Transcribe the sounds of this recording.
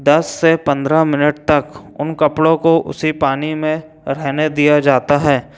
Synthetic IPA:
d̪ɐsːepɐ̃nd̪ɾamɪnəʈ̚t̪ɐkʊnkɐpɽõkoʔʊ̰sipaːnimẽ | ɾɛɦned̪ijad͡ʒaːt̪aɦɛː

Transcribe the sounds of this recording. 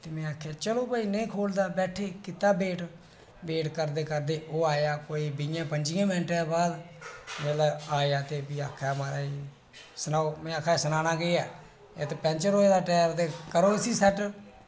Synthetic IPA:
t̪eːmɛ̃ːaːkʰaːt͡ʃəloːpaːiːneiːkʰoːld̪aːbɛːʈʰeːkɪt̪ːaːbeːʈ | beːʈkəɾd̪eːkəɾd̪eːoːaːjaːkoːiːbɪjãːpəɲd͡ʒiãːmɪnʈebaːd̪meːləaːjaːt̪eːpiːaːkʰaːmaːɾaːiː | sənaːoːmɛ̃ːaːkʰːaːsənaːnaːɡeaː | et̪epɛ̃ːnt͡ʃəɾɦoːeːd̪aːʈɛːpt̪eːkəɾõːsiːsɛʈ

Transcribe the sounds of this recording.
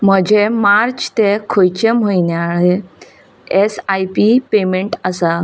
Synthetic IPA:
m̤əd͡ʑemaɾt͡ɕt̪ekʰojt͡ɕẽm̤ojnjaɭe | esajpipemeɳʈəsa

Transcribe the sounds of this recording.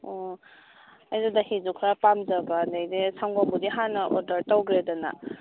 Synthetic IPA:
o | ajzadahizukʰɾapamzabadajdesʰaŋbambudiɦanːɐʔoɾdɐɾtawɡɾedɔna̰

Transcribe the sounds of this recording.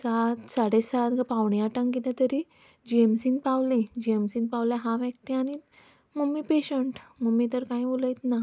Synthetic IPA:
sat̪saɽesat̪ɡapaʋɳjaʈə̃ŋkit̪ãt̪əɾi | d͡ʑiemsinpawlẽd͡ʑiemsiːnpawljaɦãʋɛk̚ʈiañi | məɡmːipeɕəɳʈməmit̪əɾkãĩboləjt̪na

